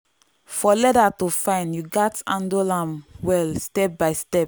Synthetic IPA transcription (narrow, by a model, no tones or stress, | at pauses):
fɔlɛdatufãɪ̃njuɡatãndolãmwɛlstɛp̚baɪstɛp̚